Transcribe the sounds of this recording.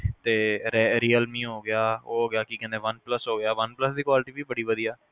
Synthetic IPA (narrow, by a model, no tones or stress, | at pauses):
t̪eːɾeɾiːəlmĩːɦoːɡɪjaːoːɦoːɡɪjaːkikɛ̃nd̪eːʋənpləsɦoːɡɪjaːʋənpləsd̪iːkwaːlɪʈiːbiːbəɽiːʋəd̪ijaː